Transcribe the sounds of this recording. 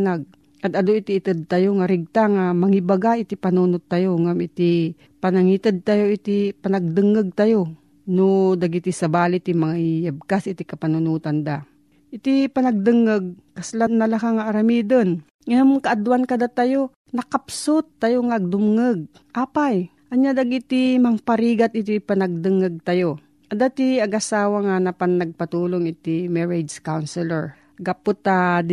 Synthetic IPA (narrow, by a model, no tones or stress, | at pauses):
naɡ̚ | ʔɐt̪ɐd̪oit̪iʔːt̪ɨd̪̚t̪ajoŋaɾɪɡ̚t̪aŋamɐŋibaɡaʔɪt̪ipanuːnot̪ːajoŋamɪt̪ɪ | pɐnaŋit̪əd̪̚t̪ajoʔit̪ipanaɡ̚d̪ɨŋəɡ̚t̪ajo | nod̪aɡit̪isɐbaːlɪt̪imaŋaijab̚kasʔɪt̪ɪkɐpanʊnuːt̪and̪a | ʔɪt̪ipanɐɡ̚d̪ɨŋːəɡ̚kɐslanːalakaŋaʔːɾamiːd̪on | ɐamŋkɐʔɐd̪wankɐd̪at̪ɐjo | nɐkɐpsot̪ːɐjoŋaʔɐɡ̚d̪ʊmŋəɡ̚ | ʔaːpaj | ʔɐɲad̪ɐɡɪt̪imɐŋpɐɾiːɡat̪ɪt̪ipɐnɐɡ̚d̪ɨŋɐɡ̚t̪ɐjo | ʔɐd̪at̪iɐɡʔɐsaːwɐŋanɐpɐŋnɐɡ̚pɐt̪uːloŋʔɪt̪ɪmɛɹɛd͡ʒkawnsɛlɛɹ | ɡapʊt̪ːad̪